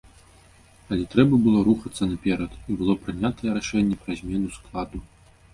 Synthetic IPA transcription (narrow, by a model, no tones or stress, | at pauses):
ɐlʲɛt̪ɾɛbɐbɨlˠɔɾuxɐt̪sːɐnapʲɛɾɐt̪ibɨlˠɔpɾɨnʲat̪ɐjɛɾaʂɛnʲːɛpɾɐzʲmʲɛnusklˠad̪u